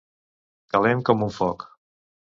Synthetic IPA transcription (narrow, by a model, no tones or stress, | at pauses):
kalɛmkɔmuɱfɔk